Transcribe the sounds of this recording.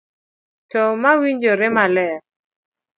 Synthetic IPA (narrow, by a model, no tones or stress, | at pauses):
tɔmawiɲd͡ʒoɾɪmalɛ